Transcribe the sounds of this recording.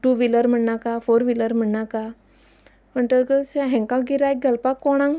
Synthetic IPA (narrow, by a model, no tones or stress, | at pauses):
ʈuʋiləɾm̤əɳnakafoɾʋiləɾm̤əɳnaka | m̤əɳʈ̪əkəseɦɛ̃ŋkãɡiɾaek̚ɡʱəlpakːɔɽ̃ãŋ